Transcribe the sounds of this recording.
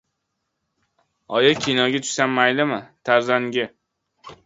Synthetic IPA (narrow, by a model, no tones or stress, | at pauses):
ɒjakʲʰinɒɡʲat̪ʰʊ̥ʃsanmajlɪmɪt̪ʰaɾzanɡʲɪ